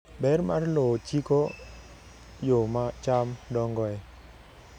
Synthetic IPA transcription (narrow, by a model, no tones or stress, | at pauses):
bɛrmarlot͡ʃiko | jomat͡ʃamdɔŋɡɔɛ